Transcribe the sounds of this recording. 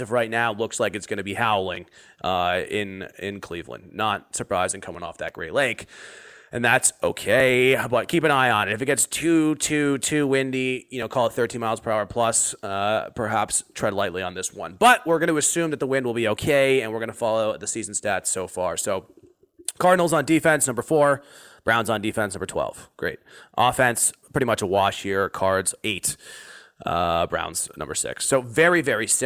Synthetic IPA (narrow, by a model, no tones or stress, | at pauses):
ɨfɹaɪtⁿnaʊlʊkslaɪkɨtsɡ̥ʌnɨbihaʊlˠɪ̰̃ŋ | ʌɪ̃nɪ̰̃nkʰl̥ivlə̰̃nnət̚sə˞pʰɹ̥aɪzɪ̃ŋkʰʌmɪ̃ŋɔ̰fðɨ̰t̚ɡ̥ɹḛɪleɪkʔɨ̃nðætsoʊkʰeɪbʌt̚kʰipɨ̃ñaɪə̃nɨɾɨfɨt̚ɡ̥ɛtstʰʉtʰʉtʰʉwɪ̃ndijɨnoʊkʰɔlˠd̪̚θɜ˞tʰĩnmaɪlˠz̥pʰə˞aʊə˞pʰl̥ʌsʌpʰə˞ɦæpstʰɹ̥ɛdˡlaɪtˡliə̃nðɪswʌ̰̃nb̥ʌt̚wɪɹɡʌɾɨɨsʉ̃mðɨt̪̚ðəwɪ̃nd̚wəlˠbioʊkʰeɪɨ̃nwɨɹɡʌñəfɑlˠoʊɨt̪̚ðɨsizn̩stætsoʊfɑɹsoʊ | kʰɑɹdⁿn̩l̩ˠzn̩difɛ̃nsnʌ̃mbə˞fɔɹb̥ɹãʊ̃nzn̩difɛ̃nsnʌ̃mbə˞tʰw̥ɛ̰lˠv̥ɡ̥ɹḛɪt̚ʔɔfɛ̃nspɹ̥ɪɾimʌt͡ʃəwɑʃhiɹkʰɑɹdz̥eɪt | ʌbɹã̰ʊ̃nz̥nʌ̰̃mbə̰˞sɪ̰ksːoʊvɛɹivɛɹis